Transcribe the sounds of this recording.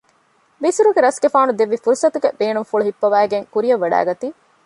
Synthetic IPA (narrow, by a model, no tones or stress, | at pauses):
bisuɾuɡeɾɐsɡefaːnud̪eʋːifuɾusɐt̪uɡebeːnumfuɭuɦipːɐʋæːɡeŋkuɾijɐʋːɐɖæ̰ːɡɐt̪iː